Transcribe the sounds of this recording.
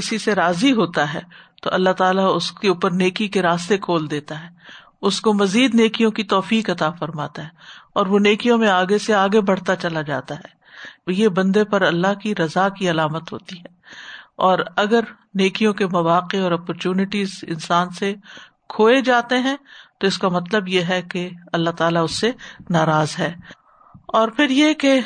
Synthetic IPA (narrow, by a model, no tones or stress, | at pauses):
kɪsiseɾaːziɦoːt̪aɦɛ̰ːt̪o̰ʔɐlːaɦt̪aːlaʊskeuːpəɾneːkikeɾaːst̪ekʰoːld̪eːt̪aɦɛː | ʊskomɐziːd̪neːkijõkit̪ɔːfiːkɐt̪afɐɾmaːt̪aɦɛːɔːɾʋoneːkijõmẽaːɡeseaːɡebɐɽ̤t̪at͡ʃɐlad͡ʒa̰ːt̪aɦɛː | jebɐ̃nd̪epɐɾɐlːaɦkiɾɐzakiɐlaːmət̪ɦo̰ːt̪iɦɛːɔːɾɐɡəɾ | neːkijõkemɐʋaːqeɔːɾɔːpɔɾt͡ʃuːnɪʈiːzɪ̰nsaːnse | kʰoːed͡ʒaːt̪eɦɛ̃t̪oɪskamɐt̪̬ləbjeɦɛkeɐlːat̪aːlaʊsːenaːɾaːzɦɛː | ɔːɾpʰɪɾjeke